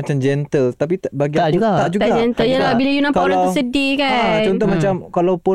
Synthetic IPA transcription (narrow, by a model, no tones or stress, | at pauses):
at͡ʃamd͡ʒɛnt̪əlt̪ap̬it̪abaɡiaaʔd͡ʒut̪aad͡ʒɛnt̪əjəlabilajunãpkalaəsədikat͡ʃɔnt̪ɔhmat͡ʃamkalawpʊ